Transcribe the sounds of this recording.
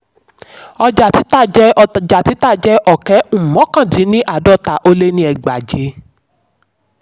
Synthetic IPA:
ɔ˧d͡ʒa˨ti˨˦ta˦˨d͡ʒɛ˦˧d͡ʒa˨ti˨˦ta˦˨d͡ʒɛ˦ʔɔ˦˨kɛ˨˦ũ˦˨mɔ̃˨˦kã˦˨dĩ˨˦nĩ˦ʔa˦˨dɔ˦ta˨ʔo˧le˦nĩ˦ɛ˧ɡ͡ba˨d͡ʒe˨˦

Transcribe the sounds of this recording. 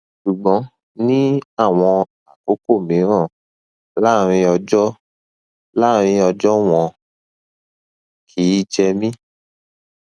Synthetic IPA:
ʃu˨ɡ͡bɔ̃˨˦ | nĩ˦a˦˨w̃ɔ̃˧ | a˨ko˨˦ko˦˨mĩ˨˦ɾ̃ã˦˨ | la˦˨ɾ̃ĩ˧ɔ˧d͡ʒɔ˦ | la˦ɾ̃ĩ˧ɔ˧d͡ʒɔ˦w̃ɔ̃˧ | kʰi˨˦d͡ʒɛ˧mĩ˦

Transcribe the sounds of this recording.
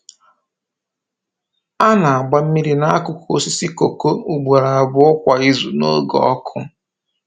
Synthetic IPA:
a˦na˨a˨ɡ͡ba˦m̩˦mi˦ɾi˦na˦a˦kʊ˦ku˨o˦si˦si˦ko˨ko˦u˦ɡ͡bʷa˨ɾa˨bʊ˦ʊ˦kʷa˨i˦zu˨no̰˦ɡɔ̰˦ɔ˦kʰʊ˦

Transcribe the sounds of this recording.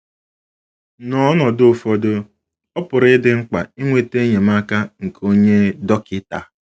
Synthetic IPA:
nɔ˦nɔ˨dʊ˦˨fɔ˦dʊ˦ | ɔ˦pʊ˨ɾɪ˦dɪ˦ŋ͡m̩˦k͡pa˨i˦ŋʷe˨te˦ɲe˨ma˦ka˦ŋ̩˨ko˦ɲe˦dɔ˦kɪ˦ta˨

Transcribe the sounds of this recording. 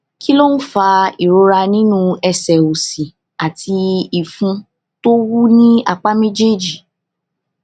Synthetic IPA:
ki˦lo˦n̩˦fa˧i˨ɾo˧ɾa˧nĩ˦nũ˦ɛ˧sɛ˨o˨si˨ | a˨tʰi˧i˨fũ˧ | to˦wu˦nĩ˦a̰˦˨k͡pa˦me˦d͡ʒe˦˨d͡ʒi˨

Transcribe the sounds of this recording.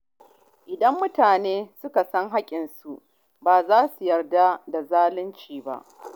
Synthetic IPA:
ʔɪ˨dɐ˦mːʊ˦taː˨neː˦sʊ˦ka˨sɐ˦ŋɦa˦kʲʼɪ˨nsu˨ʔ | baː˨zaː˦su˨jɐ˨rda˦da˨zaː˦lɪ˦nt͡ʃiː˨ba̰˦ʔ

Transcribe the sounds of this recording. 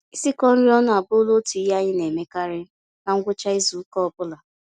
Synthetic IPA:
i˦si˦kɔ˦n̩˦ɾi˦ɔ˦nʊ˦a˨bʊ˦lo˦tu˨i˦ja˦ɣɪ˦ne˨me˦ka˦ɾɪ˦ | ka˦ŋ̩˦ɡʷʊ˦t͡ʃa˦i˦zu˨˦kɔ˦ɔ˦bʊ˦la˨

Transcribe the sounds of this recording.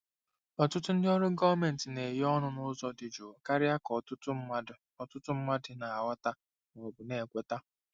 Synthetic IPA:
ɔ˨tʊ˦tʊ˦n̩˦dɪ˦ɔ˦ɾʊ˦ɡɔ˦me˨n̩˨tɪ˨ne˨je˦ɔ˦nʊ˦nʊ˦zɔ˦dɪ˨d͡ʒo˨ka˦ɾɪ˦a˦kɔ˨tʊ˦tʊ˦˨ | ɔ˨tʊ˦tʊ˦m̩˦ma˦dɪ˨na˨a˨wa˦ta˦˨ | o˨bʊ˨ne˨kʷe˦ta˦

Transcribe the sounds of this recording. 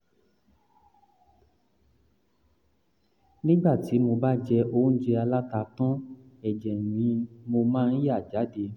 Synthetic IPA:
nĩ˦ɡ͡ba˦˨ti˨˦mo˧ba˦d͡ʒɛ˧o˦d͡ʒɛ˧a˧la˦ta˧tɔ̃˦ɛ˨d͡ʒɛ˨nĩ˨˦mo˧mã˦˧n̩˦ja˦˨d͡ʒa˨˦de˧

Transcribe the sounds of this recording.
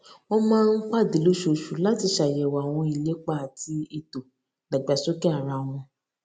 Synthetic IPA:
ɔ˦mãː˦n̩˦k͡pa˦˨di˨˦lo˦ʃo˨ʃu˨˦la˦ti˧ʃa˨jɛ˨wa˨w̃ɔ̃˧i˧˨le˨˦k͡pa˦˨tʰi˧˦e˧to˨ | da˨ɡ͡ba˨˦so˦kɛ˦a˨ɾa˧w̃ɔ̃˧

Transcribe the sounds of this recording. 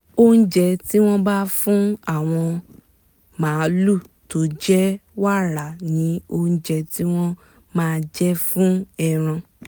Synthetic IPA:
o˦ñ̩˦d͡ʒɛ˧ti˦w̃ɔ̃˦ba˦fũ˦a˦˨w̃ɔ̃˧ | mãː˨˦lu˦˨ | to˨˦d͡ʒɛ˦wa˦ɾa˨nĩ˨˦o˧ñ̩˦d͡ʒɛ˧ti˦w̃ɔ̃˦ | mãː˦˧d͡ʒɛ˦fũ˦ɛ˧˨ɾ̃ã˧

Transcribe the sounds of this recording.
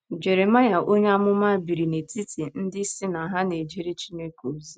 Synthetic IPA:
d͡ʒe˨ɾe˨ma˦ja˨ʔo˦ɲ˦a˦mʊ˦ma˦bi˨ɾi˨ne˨ti˦ti˨n̩˦dɪ˦si˦na˨ɦa˦ne˨d͡ʒi˦ɾi˦t͡ʃi˦ne˦ko˨zi˦

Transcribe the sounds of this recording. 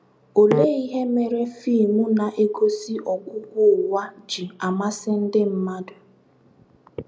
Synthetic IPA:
o˨le˦i˦ɦe˦me˨ɾe˦fiː˦˨mu˦na˨ʔe˦ɡo˦si˦ʔɔ˨kʷʊ˦kʷʊ˦˨wa˦d͡ʒi˨a˨ma˦sɪ˦n̩˦dɪ˦m̩˦ma˦dʊ˨

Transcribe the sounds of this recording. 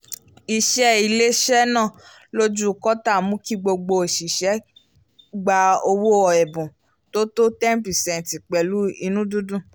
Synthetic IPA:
i˧ʃɛ˦i˧le˦ʃɛ˦nãː˦˨ | lo˦d͡ʒu˦˨kɔ˦ta˦˨mũ˦ki˦ɡ͡bo˧ɡ͡bo˧˨ʃi˨ʃɛ˨˦ | ɡ͡ba˧o˧wu˦ɔ˨ɛ˨bũ˨ | to˦to˦tɛ˦m˦pi˨sɛ̃˨n˨ti˨k͡pɛ˨lu˦i˧nũ˦dũ˦dũ˦˨

